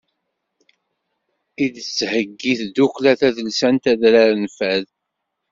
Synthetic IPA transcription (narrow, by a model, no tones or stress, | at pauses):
id̪t͡sːhəɡːiθd̪uklæθæðəlsænt̪æðɾæɾənfæð